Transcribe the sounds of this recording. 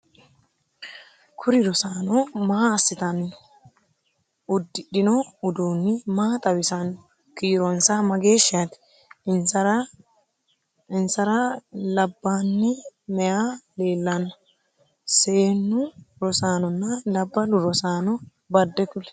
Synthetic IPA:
kʰʊɾɪɾɔsaːnɔmaaːsːɪt̪ɐn | ʊd̪ːɪɗɪnɔʊd̪uːnːɪmaːt̪ʼɐwɪsɐn | kiːɾɔnsamɐɡe̞ːʃːɪat̪ɪ̥ | ɪnsɐɾɐ | ɪnsɐɾɐlɐbːaːnːɪmɛjale̞ːlːɐnːɐ | se̞ːnːʊɾɔsaːnɔnːɐlɐbːɐlʊɾɔsaːnɔ | bɐd̪ːɛkʊlɛ̥

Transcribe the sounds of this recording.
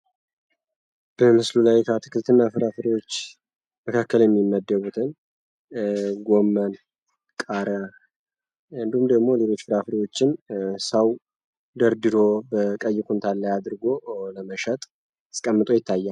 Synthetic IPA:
b̥əmɨslulajkʰət̪ʰɨ̥kʰɨlt̪ʰɨnːafɨɾafɨɾiwot͡ʃː | məkʰakːəljɛmːimːəd̪ːəβut̪ʰɨn | ɡo̞mːən | kʼaɾə | ɨnd̪ihumd̪əɡmo̞le̞lo̞t͡ʃːfɨɾafɨɾiwo̞t͡ʃːɪnsəw | d̪əɾd̪ɨɾo̞bəkʼəjːɪkʰunt̪ʰalːəjad̪ɨɾɡo̞ləməʃət̪ʼ | ɨ̥skʼəmːɨt̪ʼo̞jɪt̪ʰːajːa

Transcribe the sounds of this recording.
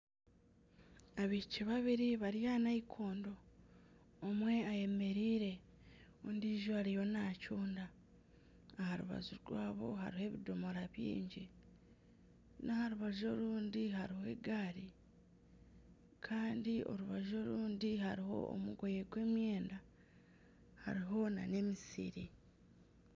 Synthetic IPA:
aβiciβaβiɾiβaɾijanaikʰoːndo̞ː | mwe̞aje̞me̞ɾiːɾe̞ | ondiːʒoaɾijo̞nacuːndaː | haɾṵβa̰zuɾɡwaːβo̞̰ɦa̰ɾihe̞βidomo̞ɾaβjḭːɲɟi | nahaɾuβaʒo̞luːndiɦaɾihe̞̰ɡaːɾi | kʰaːndio̞̰ɾuβaʒo̞ɾuːndiɦaɾiɦo̞̰o̰muɡo̞jeɡwe̞ːmje̞ːnda | ha̰ɾiɦo̞na̰ne̞misḭɾi

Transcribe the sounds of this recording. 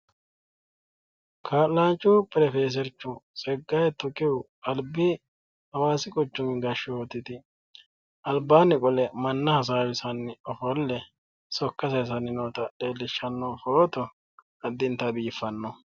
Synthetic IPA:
kʰaːtlaːnt͡ʃʼːʊpɪɾɛfeːs̬ɛɾt͡ʃːʊsʼɛɡːɐjt̪ɔkʼɪʊ | ɐlbɪ | hɐwaːsɪkʼɔt͡ʃːʊmɪɡɐʃːɔwot̪ːɪt̪ɪ | ʔɐlbaːnɪkʼɔlɛmɐnːɐhɐs̬aːwɪsɐnːɪɔfɔlːɛ | sɔkːɐsɐjs̬ɐnɪnoːt̪ɐɗe̞ːlːɪʃːɐnːɔfɔɾɔt̪ɔ | ɐd̪ːɪnt̪ɐbiːfːɐnːɔ

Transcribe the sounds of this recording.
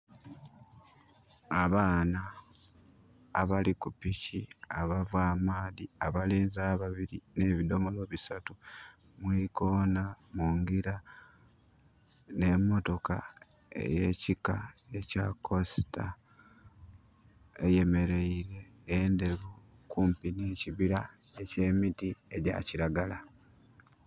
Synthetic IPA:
aβaːna | βalikupiciaβavwaːmaːðiaβaleːnzaːβaβiɾine̞ːβido̞mo̞lo̞βisatu | mwiko̞namuŋɡiɾa | ne̞mːo̞to̞ka̰ | ḛje̞cikaecako̞si̥ta̰ | e̞je̞me̞ɾe̞iɾe̞ː | nde̞βu | kuːmpiniːciβiɾae̞ce̞ːmitieɟa̰ciɾaɡala

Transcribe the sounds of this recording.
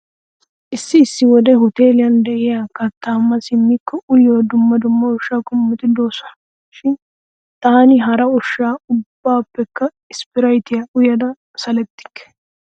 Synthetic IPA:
ʔɪsːɪːsːɪwɔd̪ɛhʊt̪e̞ːlɪjɐnd̪ɛʔɪjakɐt̪ːaːmːɐsɪmːɪkːɔʔʊjoːd̪ʊmːɐd̪ʊmːɐɔʃːaːkʼʊmːɪt̪ɪd̪o̞ːsɔnɐ | ʃɪn | t̪aːnɪɦɐɾɐɔʃːaːʊbːaːpːɛkːɐ | ɪspɪɾɐjt̪ɪjɐʔʊjɐd̪ɐ | sɐlɛt̪ːɪ̥kːɛ̥

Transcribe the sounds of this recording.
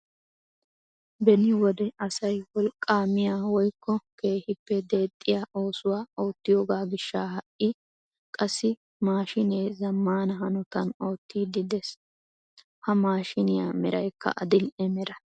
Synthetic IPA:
bɛnɪwɔd̪ɛɐsɐjwɔlkʼːaːmɪjaːwɔjkːɔke̞ːhɪpːɛd̪e̞ːt̪ʼːɪjaːʔo̞ːsʊwaːo̞ːt̪ːɪjo̞ːɡaːɡɪʃːaːhɐʔɪ | kʼɐsːɪ | maːʃɪneːzɐmːaːnɐɦɐnɔt̪ɐno̞ːt̪ːiːd̪ɪd̪ɛs | hɐmaːʃɪnɪja̰ːmɛɾɐjkʰːɐ̰ʔɐ̰d̪ɪlɛmɛɾɐ

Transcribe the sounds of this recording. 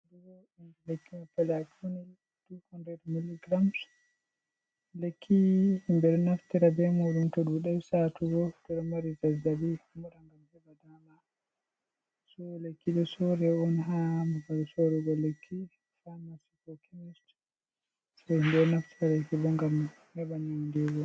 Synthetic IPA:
dɛɡɔɛnd͡ʒɛlekːimapːalɛakʰuni | d̥ukɔndɾɛdmilːiɡɾams | lekʰːihmbɛɗɔnaftiɾabɛmuɗumtɔɗuɗɛwsatuɡɔd̥ɔɗɔmaɾizad͡ʒabimuɗaŋɡamhɛbadama | sɔlekːiɗɔsɔɾɛɔnɦamapalɔsɔɾɛɡɔlekʰːi | famasikɔkʰimist | sahimbɛɗɔnaftiɾadakibɔŋɡam | habanindɛɡɔ

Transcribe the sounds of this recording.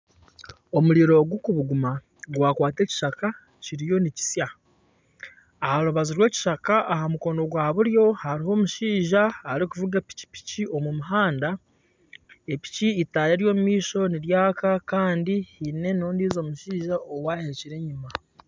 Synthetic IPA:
o̞muɾiɾo̞ɡukuβuɡuma | ɡwaːkwaːte̞ːci̥ʃaka | ciɾijo̞nici̥sja | haɾuβaziɾwe̞ci̥ʃakaʔaɦamuko̞ːndo̞ɡwaːβuɾjo̞haɾiho̞ːmuʃiːʒaːɾikuvuɡapi̥ci̥pi̥cio̞mumuɦaːnda | e̞pi̥ciːtaːɾe̞ːɾjo̞ːmumiːʃo̞niɾjaːkakaːndihine̞noːndiːzo̞ːmuʃiːʒaʔowahe̞ciɾe̞ːɲuma

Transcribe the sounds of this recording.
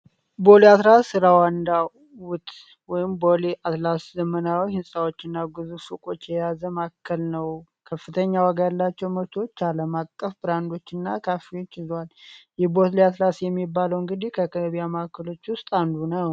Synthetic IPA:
boliat̪lasɨɾawand̪a | wʊt̪ʼ | wɔjɪmboliʔat̪laszəmənawihɨnsʼawo̞t͡ʃːɪnːaɡɨzufukʼo̞t͡ʃːjɛjazəmakʰːəlnəw | kʰəfːɨt̪ʰəɲːawaɡalːat͡ʃːɛwməβt̪ʰo̞t͡ʃːaləmakʼːəfbɨɾand̪o̞t͡ʃːɪnːa̰kʰafio̞t͡ʃːɪzwaljɛbo̞t̪liat̪lasjɛmːibːaləwɨŋɡɨd̪ihkʰəkʰəβjamakʰːəlo̞t͡ʃːwʊst̪ʼand̪unəw

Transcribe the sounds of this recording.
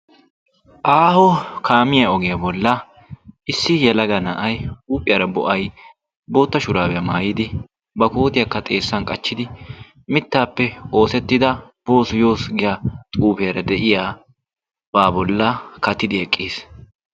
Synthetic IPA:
ʔaːhɔkʰaːmɪjɐɔɡɪjɐbɔlːɐ | ɪsːɪjɛlɐɡɐnɐʔɐjuːpʼɪjɐɾɐbɔʔɐj | bo̞ːt̪ːɐʃʊɾaːbɛjɐmaːjɪd̪ɪ | bɐkoːt̪ɪjɐkːɐt̪ʼe̞ːsːɐnkʼɐt͡ʃːɪd̪ɪ | mɪt̪ːaːpːɛo̞ːsɛt̪ːɪd̪ɐ | b̥o̞ːsʊjo̞ːsɡɪjaːt̪ʼuːbeːɾɐd̪ɛʔɪjaː | b̥aːbɔlːɐkɐt̪ːɪd̪ɪɛkʼːeːs

